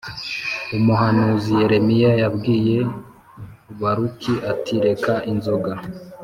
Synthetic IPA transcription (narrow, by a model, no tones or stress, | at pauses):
umuɦanuzije̞ɾe̞mijajabɡiːje̞ | uβaɾukiʔatʰiɾe̞kaʔinzoɡa